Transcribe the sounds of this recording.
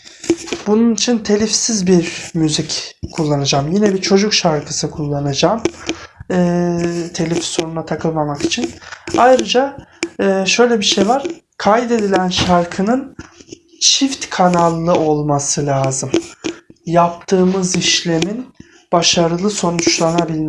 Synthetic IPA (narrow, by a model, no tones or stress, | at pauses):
bununit͡ʃʰint̪ʰe̞lʲifsizbiɾmyzickʰulˠːanad͡ʒamjinɛbit͡ʃʰo̞d͡ʒukʃaɾkʰɯsɯkʰulˠːanad͡ʒam | ɯːt̪ʰe̞lʲifso̞nunat̪ʰakʰɯnlˠamaki̥t͡ʃʰinajɾɯd͡ʒaː | ʃø̞jlʲɛbiʃe̞jvaɾ̥ | kʰajd̪e̞d̪ilʲænʃaɾkʰɯnɯn | t͡ʃʰift̪kʰanalˠːɯʔo̞lˠmasɯlʲaːzɯm | jap̚t̪ʰɯːmɯziʃlʲe̞min | b̥aʃaɾɯlˠɯso̞nut͡ʃlˠanabilʲ